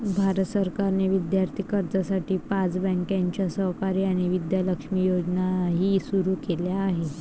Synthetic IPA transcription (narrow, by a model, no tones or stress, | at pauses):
bʱaɾət̪səɾkaɾneʋid̪jaɾt̪ʰiːkəɾd͡zasaʈiːpat͡sbɛ̃ŋkjãɲt͡ɕjasəɦkaɾiːaɽ̃iʋid̪jaləkʂmijod͡znaɦiːsuɾuːkeljaːɦe